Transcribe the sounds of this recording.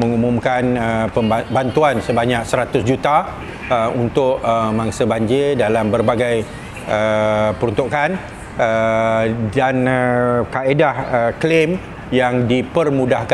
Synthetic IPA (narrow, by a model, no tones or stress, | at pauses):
mə̃ŋumũmkanəpəbant̪uansəbaɲãk̚səɾat̪ʊsd͡ʒut̪a | əunt̪ʊʔəmãŋsəbaɲd͡ʒɪrdalambərbaɡaj | əpəɾunt̪ukan | ə | danəkaedahəklem | jaŋdipərmudahk